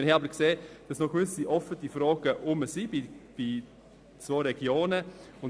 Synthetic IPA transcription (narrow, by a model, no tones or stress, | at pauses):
hɛɑbəɾkseːd̥ɑsnɔɡ̥ʋʏsiʔɔfətifɾɑːɡ̥əʔʊməsibib̥i | t͡svoːɾɛɡ̥joːnəʊn